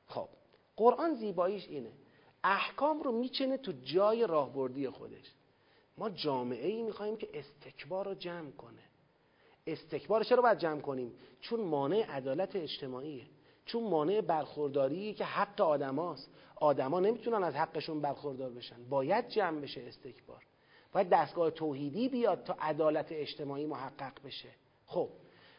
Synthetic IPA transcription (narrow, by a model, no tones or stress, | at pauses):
xo̰b̥ | ɢ̥o̞ɾʔɒːnziːbɒːiːʃiːne | æhkʰɒːmɾomiːt͡ʃʰenet̪ʰud͡ʒɒːje̞ɾɒːhbo̞ɾd̪ije̞xo̰d̪e̞̰ʃ | mɒːd͡ʒɒːme̞ʔe̞iːmiːxɒːhiːmcʰeʔest̪ʰe̞cʰbɒːɾod͡ʒæmkʰo̞ne | est̪ʰe̞cʰbɒːɾet͡ʃʰeɾɒːbɒjæd̪̚d͡ʒæːmkʰo̞niːmt͡ʃʰonmɒːne̞eʔæd̪ɒːlæt̪ʰeːd͡ʒt̪ʰe̞mɒːʔiːje | t͡ʃʰonmɒːne̞ʔebæɾxoɾd̪ɒːɾiːecʰe̞hæɡːeɒːd̪æmɒːst̪ʔɒːd̪æmɒːne̞miːt̪ʰunænæzhæɡːe̞ʃunbæɾxo̞ɾd̪ɒːɾbe̞ʃænd̪bɒːjæd̪̚d͡ʒæːmbe̞ʃeːst̪ʰe̞cʰb̥ɒ̰ːɾ | bɒːjæd̪̚ːæst̪ɡɒːhe̞t̪ʰoːhiːd̪iːbijɒːd̪̚t̪ʰɒːʔæd̪ɒːlæt̪ʰeed͡ʒt̪ʰe̞mɒːʔiːmoɦæɢːæɣbe̞ʃe | xob̥̚